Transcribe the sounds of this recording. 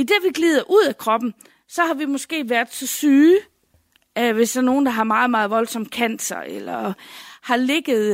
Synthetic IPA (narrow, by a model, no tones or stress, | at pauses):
id̥eʋiɡ̥liːð̞ˠɐʔuð̞̰ˠækʰʁɒ̽b̥n̩ | sɒ̽hɑ̈ʋimɒ̽sɡ̥e̝̰ːʋæɐd̥ˠsɒ̽syː | ʋe̝sd̥æɐno̝ːn̩d̥ɑ̈ɦɑ̈mɑ̈ːð̞̩ˠmɑ̈ːð̩ˠʋɒ̽lsɒ̽mkʰæn̰d̥sɐelɐhɑ̈le̝ɡ̥ð̩ˠ